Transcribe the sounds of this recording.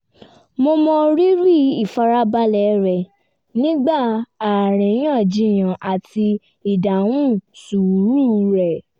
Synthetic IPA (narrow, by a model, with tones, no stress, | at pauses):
mo˧mɔ̃˧ɾi˦ɾi˦i˦˨fa˧ɾa˦ba˧˦lɛ˨˦ɾɛ˨ | nĩ˦ɡ͡ba˦˨a˨ɾ̃ĩ˨˦j̃ã˦˨d͡ʒĩ˨˧˨j̃ã˨ʔa˨ti˧ | i˨da˨wũ˦su˨ũ˨˦nĩ˦˨˧ɾɛ˨